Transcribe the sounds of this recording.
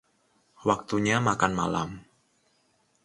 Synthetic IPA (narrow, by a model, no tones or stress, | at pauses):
wak̚t̪uɲamakanma̰la̰m